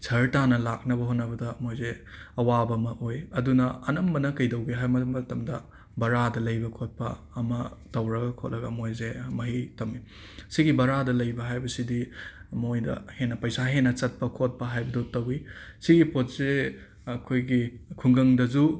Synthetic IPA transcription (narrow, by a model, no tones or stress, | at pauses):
sʰɐɾtanɐlak̚nɐbɐɦonːɐbɐdɐmojze | ɐwabɐmɐʔojɐdunɐɐnɐmbɐnɐkɐjdɐwɡeɦajmɐɐtɐmdɐ | bɐɾadɐlɐjbɐkʰot̚pɐː | mɐtɐwɾɐɡɐkʰot̚lɐɡɐmojzemɐɦitɐmi | siɡibɐɾadɐlɐjbɐɦajbɐsidimojdɐ̰henːɐpɐjsaɦenːɐt͡ʃɐt̚pɐkʰot̚pɐɦajbɐdotɐwisiɡipot̚se | ɐkʰojɡikʰuŋɡɐŋdɐzu